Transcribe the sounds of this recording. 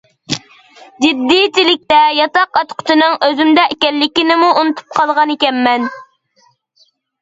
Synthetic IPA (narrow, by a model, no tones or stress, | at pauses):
d͡ʒɪd̪ːit͡ʃilɪk̚ʲt̪ɛjɑt̪ɑqɑt̪qʰʊ̥t͡ʃ̪ʰinɨŋøzymd̪ɛʔekʲɛlːɪkʲinɪmuunɨt̪ʰu̥p̚qʰɑlˠʁɑnekʲɛmːɛn